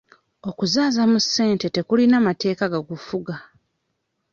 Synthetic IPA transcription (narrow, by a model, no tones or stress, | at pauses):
o̞kuzaːzamusːe̞ːnte̞te̞kulinamate̞ːkaɡaɡufuɡa